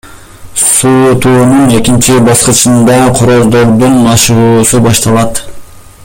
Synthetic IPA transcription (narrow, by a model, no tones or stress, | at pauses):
suːt̪uːnune̞kint͡ʃibɑsqɯt͡ʃɯnd̪ɑqʰoɾozd̪o̞ɾd̪unmɑʃʁuːsubɑʃt̪ɑlˠɑt̪